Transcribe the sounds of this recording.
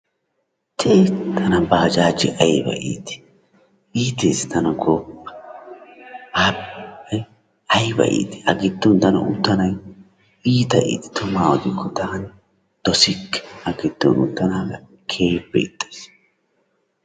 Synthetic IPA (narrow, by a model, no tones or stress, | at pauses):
t̪eːt̪ʰɐnɐbaːd͡ʒaːd͡ʒɪʔɐjbɐ̰ʔḭːt̪ɪ̥ | iːt̪eːst̪ɐnɐɡoːpːɐ̥ | aːbɐj | ɐjbɐ̰ʔḭːt̪ɪ̥ɐɡɪt̪ːɔnt̪ɐnɐ̰ʔʊ̰t̪ːɐnɐj | iːt̪ɐʔḭːt̪ɪ̥t̪ʰʊmaːwɔd̪ɪkːɔt̪aːn | d̪̥ɔsɪkːɛ̥ɐɡɪd̪̥ːɔ̰nʊ̰t̪ːɐnaːɡɐ | kʰeːbɛ̰ɪt̪ʼːe̥s